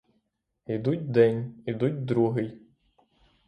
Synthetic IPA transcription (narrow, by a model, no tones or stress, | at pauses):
id̪utʲd̪ɛnʲid̪utʲd̪ɾuɦɪj